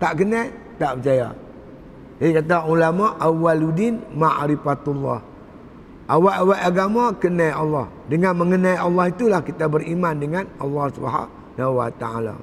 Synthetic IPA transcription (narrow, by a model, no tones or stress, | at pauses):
t̪aʔkəna | t̪aʔpət͡ʃaja̰ | hajkat̪̬aʔulamaʔawːaludɪnmaʔɾifat̪ulːɑ̰h | ʔawaʔawaʔaɡamakənajʔɑlːɔh | dəŋanməŋənajɑlːɔhit̪ulahkit̪abəɾimandəŋanɑlːɑhsuba̰ɦa̰ | nawat̪aa̰la̰